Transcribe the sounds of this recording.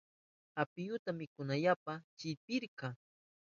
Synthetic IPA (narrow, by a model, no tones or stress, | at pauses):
apɪjʊt̪amɪkʊnaʎapat͡ʃɪpɪɾkɑ